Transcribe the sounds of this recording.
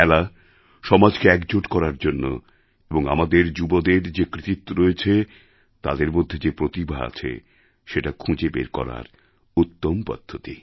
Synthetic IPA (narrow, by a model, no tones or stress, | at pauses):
ɛla | ʃɔmad͡ʑkeɛkd͡ʑoʈkɔɾaɾd͡ʑonːo̰ | eboŋa̰mad̪eɾd͡ʑubod̪eɾd͡ʑekɾit̪it̪ːoɾoet͡ɕʰe | t̪a̰d̪eɾmod̪ʱːed͡ʑepɾot̪ibʱaa̰t͡ɕʰḛ | ʃeʈakʰũd͡ʑebḛɾkɔ̰ɾa̰ɾ | ut̪ːompɔ̰d̪̥ʱːot̪i